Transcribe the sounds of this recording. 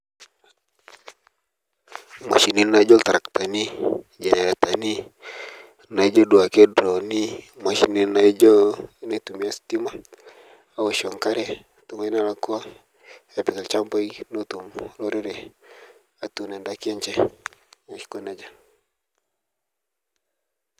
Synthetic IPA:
ma̰˨ʃi˨ni˦na˨˦d͡ʒo˦lt̪a˨ɾa˨kt̪a˨ni˦ | d͡ʒa˨ɲa˨ɾe˨t̪a˨ni˦ | na˨i˦d͡ʒo˦du˨a˨ke˦dɾo˨ni˦ | ma˨ʃi˨ni˨na˨i˦d͡ʒo˦ne˨t̪u˨mia˦sti˦ma˦ | a˨wa˨ʃɔ˨ŋka˦ɾe˦ | tu˨me˦na˦la˨ku˦a˦ | e˨pi˨ke˨lt͡ʃa˦mpo˦i˦no˦t̪u˨mlo˦ɾe˦ɾe˨ | a˨t̪u˨ne˨nda˨ki˦e˦ɲt͡ʃe˦ | a˨ʃi̥˦ko˦na˦d͡ʒa˦

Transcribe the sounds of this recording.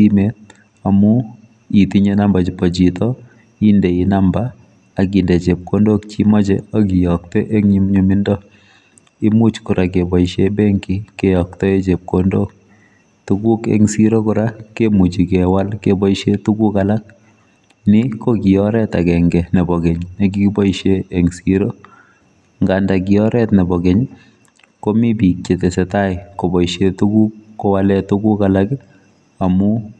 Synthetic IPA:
i˦met̚ | a˨mu˦ | i˨ti˦ɲe˦na˦mba˨t͡ʃipɔ˨t͡ʃi˨tɔ˦ | i˦nde˨i˨na˦mba˦ | a˨ki˨nde˨t͡ʃe˨p̚ko˦ndo˦k̚t͡ʃi˦mɔ˦t͡ʃɛo˦ki˨jɔ˨k̚tɛ˦ʔe˦ŋɲi˦mɲu˦mi˦ndɔ˦ | ɪ˦mu˦t͡ʃkʊ˨ɾʔa˨ke˨bɔ˨iʃe˦be˦ŋki˦kejɔ˨kt̪ɔ˦e˦t͡ʃe˨p̚ko˨ndo˦k̚ | tu˦ku˦kḛ˦ŋsi˦ɾo˦kʊɾa˦kemu˨t͡ʃi˨kɛwa˦lkebɔ˦iʃetu˦ku˦kalak̚ | nikokijɔɾɛta˨kɛ˨ŋɡɛ˨nɛ˨bɔ˨ɡeɲne˨k̬i˦ki˦bɔ˦iʃeːŋsiɾo˦ | ŋɡandak̬iɔ˦ɾɛtnɛ˨bɔ˨ke˨ɲ | ko˦mi˦bi˨k̚t͡ʃe˨te˨sɛta˦jko˨bɔ˨iʃetuku˦kːowalɛtuku˦kalak | amu˦

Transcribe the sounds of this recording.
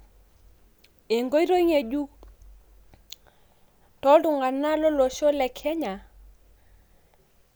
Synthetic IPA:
e˨ŋɡo˦i˦ɾo˦i˦ŋe˨d͡ʒu˦ | tɔ˦du˨ŋa˨na˦lɔ˦lo˨ʃo˦lɛ˨kʰɛ˦ɲa˨

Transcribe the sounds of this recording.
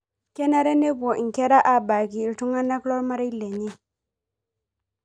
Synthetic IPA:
ke˦na˦ɾe˦ne˦bɔ˨ŋ̩˨kɛ˦ɾa˦ʔa˨ba˨ki˨ltu˦ŋa˦na˦klɔ˦ɾma˦ɾa˦jle˨ɲe˦

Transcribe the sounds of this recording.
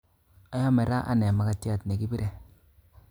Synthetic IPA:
a˨˦jɔ˦mɛ˨ɾa˦ʔa̰˦nɛ˨ma˨ka˨tja˦˨tne˨ki˦bi˦ɾe˦

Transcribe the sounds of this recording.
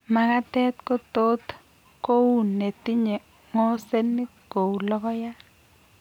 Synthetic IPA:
ma˦ka˦tɛ˦t̪ko˦t̪o˦t̪ | ko˦wu˦˨nːe˨t̪i˦ɲe˨ | ŋɔ˦se˦nːɪ˦ɡ̥o˨wlɔ˦kɔ˦ja˦

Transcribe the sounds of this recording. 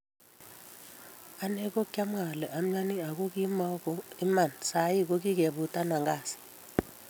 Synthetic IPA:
a˦nɛ˦k̬ɔ˦kʼa˦ma˨lɛ˨ʔa˨m̩ɲa˦ni˦a˨k̬u˦k̬i˦ma˦kɔ˦i˦ma˦˨nsa˨˦ji˦k̬u˦k̬i˦k̬ɛ˨ɓu˨tʼa˦na˨ŋɡaː˨si̥

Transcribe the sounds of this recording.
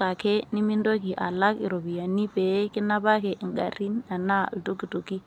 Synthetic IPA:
a˨kɛ˦ni˦mi˦ndo˦ki˨ʔa̰˨la˦kḭ˨ɾo˨bi˨ja˨ni˦pɛ˨˦kɪ˦na˦pa˦kɛ˨ʔŋɡa̰˨ɾi˦na˨na˦˨ltu˦ki˨tu˨ki˦

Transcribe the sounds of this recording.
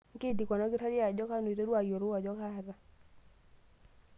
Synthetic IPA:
ŋ˦ke˦˨di˨kwa˨nɔ˦ɡɪ˦ɾa˦ɾja˨d͡ʒɔ˦ka˦no˨i˨ɾe˦ɾwa˨ɡjo˨ɾʊ˦wa˨d͡ʒɔ˦ka˦ɾa˦

